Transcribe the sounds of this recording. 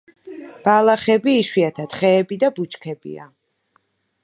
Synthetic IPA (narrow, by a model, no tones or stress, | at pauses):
b̥alˠaχɛbiːʃwiat̪ʰat̪χɛːbid̪abut͡ʃkʰɛbḭa̰